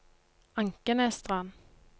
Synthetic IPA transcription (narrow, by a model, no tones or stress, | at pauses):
ɑŋkənɛst̪ʁɑn